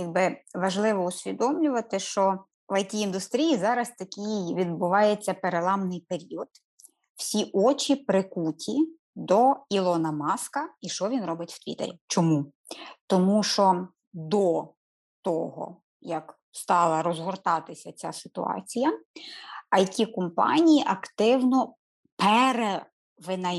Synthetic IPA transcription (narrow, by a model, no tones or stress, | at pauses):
jɐɡ̚bɪʋɐʒlˠɪʋɔusʲʋʲid̪ɔmlʲʊʋɐt̪ɪʃt͡ʃɔ | ʋɐjkʲiːnd̪ʊst̪ɾʲijizɑɾɐst̪ɐkʲijʋʲid̪bʊʋɑjet͡sʲːɐpeɾelˠɑmnɪjpeɾʲiɔd̪̥ | w̥sʲiʔɔt͡ʃʲipɾɪkutʲi | d̪ɔilˠɔnɐmɑskɐiʃt͡ʃɔʋʲinɾɔbɪtʲw̥t̪ʲʋʲḭt̪ḛɾʲit͡ʃɔmu | t̪ɔmuʃɔ | d̪ɔ | t̪ɔɦɔ̰ | jɐk | st̪ɑlˠɐɾɔzɦɔrt̪ɑt̪ɪsʲɐt͡sʲasɪ̥t̪ʊ̰ɑ̰t͡sʲijɐ | ɐjɐkʲikɔmpɑ̰nʲijiʔɐkt̪ɪwnɔ | pɛɾe | ʋɪnɐ